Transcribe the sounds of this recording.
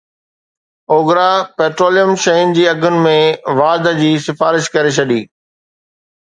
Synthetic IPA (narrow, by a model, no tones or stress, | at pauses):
oːɡɾapeːʈɾoːlijəmʃɐɦɪnd͡ʑiːɐɡʱʊnɪ̆mẽʋaːd̪əd͡ʑiːsɪfaːɾɪʃkɐɾet͡ɕʰɐɗiː